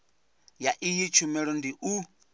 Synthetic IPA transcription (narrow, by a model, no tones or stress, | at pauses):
jaʔijit͡ʃʰumɛɺɔndiʔu